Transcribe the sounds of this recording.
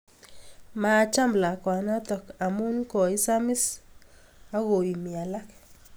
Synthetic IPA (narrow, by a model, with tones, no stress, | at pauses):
ma˨t͡ʃa˦mbla˨kwa˨na˦t̪ɔ˨ka˨mu˦nkɔ˨i˦sa˦mɪ˦s | a˦ɣo˨i˨mi˨a˨la˦k